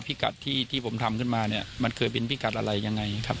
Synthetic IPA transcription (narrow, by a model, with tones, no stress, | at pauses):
pʰi˦˥ka̰˨˩t̪ʰːiː˥˩t̪ʰiː˥˩pʰo˩˦mt̪ʰa˧mkʰɯ˥˩nmaː˧ni˥˩ɐma˧nkʰɤː˧jp̬e˧npʰi˦˥ka˨˩t̪̚ʔa˧ɾa˧jːa˧ŋːa˧jkʰa˦˥p̚